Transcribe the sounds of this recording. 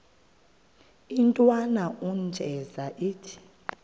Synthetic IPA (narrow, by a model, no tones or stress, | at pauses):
intʼwanaund͡ʒʱɛzaʔiːtʰi̥